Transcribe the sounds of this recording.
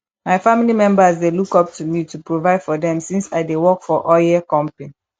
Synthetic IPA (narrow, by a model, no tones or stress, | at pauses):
maɪfãmilimɛ̃mbəzdelukɔp̚tʰumitupɹovaɪd̥fɔdɛ̃msĩnsaɪdewɔkfɔʔɔjɛkɔ̃mpĩn